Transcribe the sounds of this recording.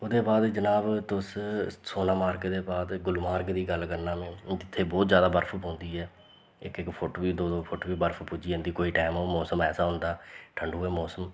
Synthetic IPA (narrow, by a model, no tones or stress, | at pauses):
oːd̪eːbaːd̪d͡ʒənaːbt̪ʊssoːnãːmaːɾkd̪eːbaːd̪ɡʊlmaːɾkd̪iːɡəlkəɾnãːmẽːd͡ʒɪt̪ʰːeːbɔːt̪zjaːd̪aːbəɾpʰpõːnd̪iːɦɛː | ɪkɪkpʰoʈːiːd̪oːd̪oːpʰʊʈːbiːbəɾpʰpʊd͡ʒĩːnd̪iːkoːiːʈaːmoːmɔːsəmɛːsaːɦʊ̃nd̪aːʈʰəɳɖuːɛːmɔːsəm